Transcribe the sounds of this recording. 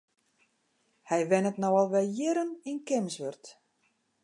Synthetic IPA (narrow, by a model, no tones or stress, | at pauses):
hɛjʋɛnətnowɔlˠʋɛljɪɾəninkɪmsʋørt